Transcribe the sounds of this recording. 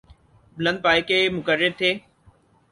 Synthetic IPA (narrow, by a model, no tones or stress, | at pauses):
blə̃nd̪̚paːikeːmʊkəɾɪɾt̪ʰeː